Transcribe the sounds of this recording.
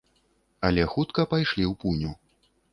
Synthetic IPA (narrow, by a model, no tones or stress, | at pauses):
ɐlʲɛxut̪kɐpajʂlʲiwpunʲu